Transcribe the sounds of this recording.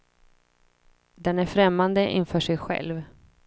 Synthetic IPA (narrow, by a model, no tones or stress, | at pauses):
d̪ɛnæɾfɾɛmːand̪əʔɪ̰nfœːʂɛjɧɛ̰lv